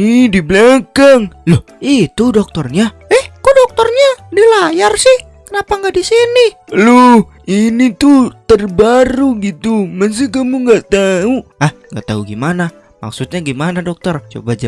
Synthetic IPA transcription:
idiblakaŋloh | it̪udɔk̚t̪ɔrɲaɛhkudɔk̚t̪ɔrɲadilajarsɪh | kənapaŋɡaʔdisiniloh | init̪ut̪ərbaɾuɡit̪uməns̬ikamuŋɡaʔt̪auahŋɡaʔt̪a̰uɡimana | ma̰ksut̪̚ɲaɡimanadɔk̚t̪ɔrt͡ʃo̰bad͡ʒa

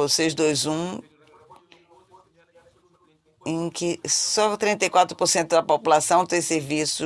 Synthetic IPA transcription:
osezd̪ojzũ | ẽj̃kɪsɔt̪ɾĩnt̪ɐjkwat̪ɾʊpoɾsẽnt̪ʊd̪ɐpopulasɐ̃w̃t̪ẽj̃seɾvisʊ

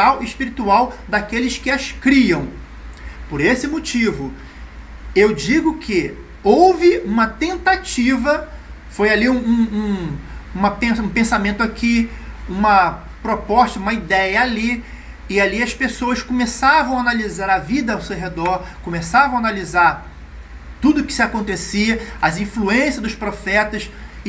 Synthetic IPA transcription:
awiʃpiɾit̪uawd̪akelɪskɪɐʃkɾiɐ̃w̃ | poɾesɪmot͡ʃivʊ | ewd͡ʒiɡʊkʰɪ | owvɪũmɐt̪ẽnt̪at͡ʃivɐ | fojaliũũũũmɐpẽsũpẽsamẽnt̪ʊakʰiũmɐ | pɾopɔʃt̪ɐũmɐid̪ɛjɐali | ɪaliɐspesowɐskõmesavɐ̃w̃analizaɾɐvid̪ɐawsewɦed̪ɔɾkõmesavɐ̃w̃analizaɾ | t̪ud̪ʊkɪ̥sɪakõnt̪esiɐɐzĩfluẽsiɐd̪ʊspɾofɛt̪ɐs

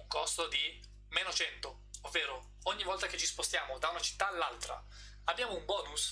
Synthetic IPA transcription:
uŋkɔst̪od̪i | meːnot͡ʃɛnt̪o | ovːeːɾo | ɔɲːivɔlt̪aket͡ʃispost̪jaːmod̪aunat͡ʃi̥t̪ːaːlːalt̪ɾa̰ | abːjaːmoumbɔːnus

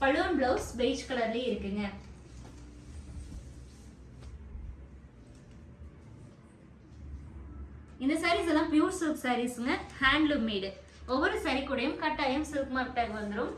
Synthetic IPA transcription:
pɐɻɯʋɐnbɭoːsbeɪt͡ʃkɐɭɐɾleɪɾɯkːɯŋɡɐ | ɪnd̪ɐsɐɾiːs̬ɛlːãːpjuːɾsuːksɐɾiːsɯŋɡɐhaːɳɖlɯmiːɽɯ | ɔʋːɔɾɯsɐɾikːɯɽɐjɯmkɐʈːaːjɐmsuːkmaːɾt̪ːaːkʋɐnd̪ɯɾɯm

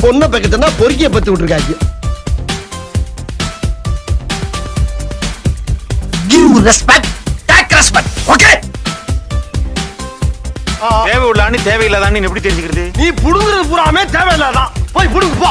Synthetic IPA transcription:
pɔnːɐpːɐk̬ːɐt̪̬ːɯnːaːpɔɾɪk̬ːɪjɐp̬ːɐt̪ːiʋɪʈːɯɾɯkːaːkːɐ | ɡiɾɛspɛkʈʈɛːkɾɛspɛkʈɔke | t̪eːʋɐjʊɭːaːnit̪eːʋɐjɪlːɐt̪ãːnĩːŋɛpːɐɽit̪ɛɾɪɲd͡ʒɯkːɪɾɐðɯniːpʊɽʊŋɡɪɾɐðɯpʊɾaːmeːt̪eːʋɐjɪlːɛt̪ãːpoːjpʊɽɯkɯpːoː

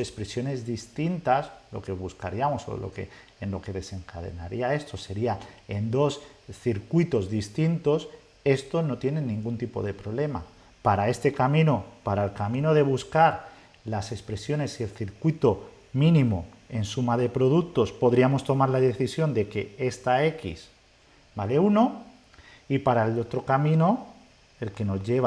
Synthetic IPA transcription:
espɾe̞sjo̞ne̞zðist̪int̪aslo̞̰ke̞β̞uskaɾiamo̞so̞̰lo̞̰ke̞̰ː | nlo̞ke̞ðe̞se̞ŋkaðe̞̰naɾiae̞st̪o̞se̞ɾiae̞nd̪o̞sθiɾkwit̪o̞zðist̪int̪o̞s | e̞st̪o̞no̞t̪je̞ne̞nːĩŋɡunt̪ipo̞̰ð̞e̞pɾo̞βle̞ma̰ | paɾae̞st̪e̞kamĩno̞paɾaelkamĩno̞ð̞e̞β̞uskaɾ | lase̞spɾe̞sjo̞ne̞sie̞lθiɾkwit̪o̞ | mĩnĩmo | e̞nsumaðe̞pɾo̞ðuk̚t̪o̞spo̞ðɾiamo̞st̪o̞maɾlaðe̞θisjo̞nd̪e̞ke̞e̞st̪ae̞kḭs | bale̞uno̞ | ipaɾaelo̞t̪ɾo̞kamĩno̞ | e̞lke̞no̞zʝe̞β

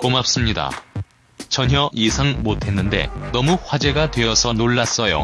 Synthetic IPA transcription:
komap̚s͈ɯmɲida̰ | t͡ɕʌɲɦjʌjisʰaŋmotʰe̞nːɯnde̞̰nʌmuɸwad͡ʑe̞ɡatwe̞ʌsʰʌnoɭːas͈ʌjo̰

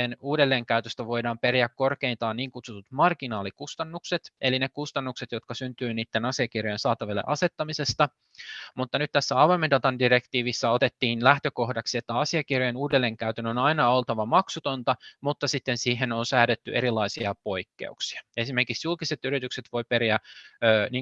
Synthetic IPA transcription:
enuːɾelːe̞ːŋkæyt̪øst̪æʋo̞jdɑːmpeɾiækko̞rkeint̪ɑːnniːŋkut̪sut̪ut̪mɑrkinɑːlikust̪ɑnːukset̪elinekust̪ɑnːukset̪jot̪kɑsynt̪yːniːt̪ːenɑsiɑkirjojensɑːt̪ɑʋelːḛʔɑse̞t̪ːɑmise̞st̪ɑ | mut̪ːɑnyt̪t̪æsːæɑʋɑjmendɑt̪ɑndirekt̪iːʋisːɑo̞t̪et̪ːiːnlæht̪øko̞hdɑksiet̪ːæɑsiɑkirjojenuːdelːeŋkæyt̪ænonɑinɑolt̪ɑʋɑmɑksut̪ont̪ɑmut̪ːɑsit̪ːensiːɦenonsæːɾet̪ːyʔeɾilːˑɑisiɑpoikːḛuksi̥ɑ̥e̞sime̞rkiksjulkiset̪yɾit̪ykset̪ʋo̞jpeɾiæøːniːŋ

